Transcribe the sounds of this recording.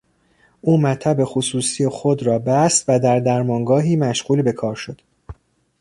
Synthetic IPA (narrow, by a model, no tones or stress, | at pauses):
ʔuːmæt̪ʰæbe̞xosuːsijexod̪ɾɒːbæst̪væd̪æɾd̪æɾmɒːŋɡɒːɦiːmæʃɢuːlbe̞kʰɒːɾʃo̞d̪̥